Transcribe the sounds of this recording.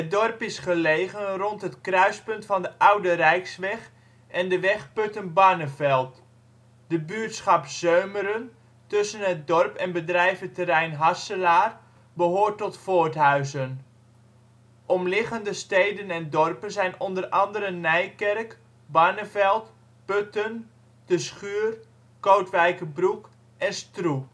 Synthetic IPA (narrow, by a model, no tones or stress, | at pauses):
ədɔrpɪsχəlejɣənrɔntɦətkrœɥspɵntfɑndəʔawdərɛjksʋɛχ | ʔɛndəʋɛχpɵtənbɑɹnəfɛlˠt | d̥əbyːtsχɑpzøɥməɾən | tɵsənət̚dɔrpɛnbədrɛjvətərɛjnɦasəlaːr | bəɦoːrtɔtfoːtɦœɥzən | ʔɔmlɪχəndəstejdənɛndɔrpənzɛjnɔndərɑndəɾənːɛjkɛrk | bɑnəfɛlˠt | pøtən | d̥əsχyːr | kowtʋɛjkəbruk | ʔɛnstru